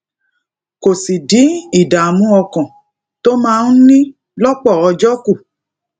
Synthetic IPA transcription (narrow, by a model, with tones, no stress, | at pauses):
ko˨si˨di˨˦i˦˨da˨mũ˦ɔ˧kɔ̃˨ | to˦mãː˦˧n̩˦nĩ˦ | lɔ˦k͡pɔ˦˨ɔ˧d͡ʒɔ˦ku˦˨